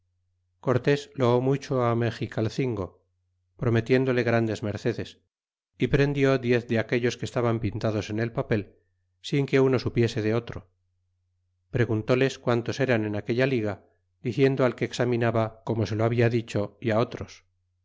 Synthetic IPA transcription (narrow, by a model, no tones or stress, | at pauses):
ko̞ɾt̪e̞sloomut͡ʃo̞amexikalθiŋɡo̞ | pɾo̞met̪je̞nd̪o̞le̞ɣɾand̪e̞zme̞ɾθe̞ðe̞s | ipɾe̞nd̪jo̞ðje̞θd̪eake̞ʎo̞skest̪aβampint̪að̞o̞se̞ne̞lpape̞l | siŋke̞uno̞supje̞se̞ðeo̞t̪ɾo̞ | pɾe̞ɣunt̪o̞le̞skwant̪o̞se̞ɾane̞nake̞ʎaliɣa | d̪̥iθje̞nd̪oalke̞ːksamĩnaβako̞mo̞se̞loaβiaðit͡ʃo̞iao̞t̪ɾo̞s